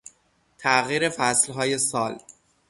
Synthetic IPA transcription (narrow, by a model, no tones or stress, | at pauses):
t̪ʰæʔɣiːɾe̞fæslɦɒːje̞sɒːl